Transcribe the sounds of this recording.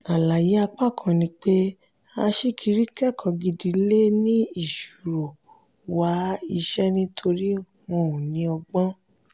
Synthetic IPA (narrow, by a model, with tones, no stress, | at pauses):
a˨la˨ji˨˦a˧k͡pa˦˨kʰã˨˧nĩ˧˦k͡pe˦ | a˧ʃi˦kʰi˧ɾi˦kɛ˦˨kʰɔ˨˧ɡi˧di˧˦le˦nĩ˦i˦˨ʃu˨ɾo˨ | wa˨˦i˧ʃɛ˦nĩ˦tʰo˧ɾi˦ | wɔ̃˧˨ũ˨nĩ˨˦ɔ˧ɡ͡bã˦